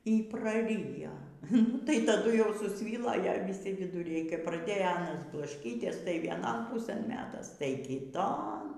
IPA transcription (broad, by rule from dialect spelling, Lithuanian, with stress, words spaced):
iː prɐˈrʲɪjoː nʊ tɐɪ tɐˈdʊ jɛʊ sʊsʲˈʋʲiːlˠoː ˈjɛ ʋʲɪˈsʲɪ ʋʲɪdʊˈrʲɛɪ kɐp prɐˈdʲeːjoː ˈɑːnɐs blˠɐʃʲˈkʲiːtʲiɛs tɐɪ ʋʲiɛˈnoːn ˈpʊsɘn ˈmʲæːtɐs tɐɪ kʲɪˈtoːn